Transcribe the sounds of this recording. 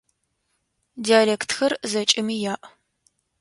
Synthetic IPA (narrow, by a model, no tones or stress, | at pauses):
diaːleːktʰxɐrzɐt͡ʃʼɪmiːjaːʔ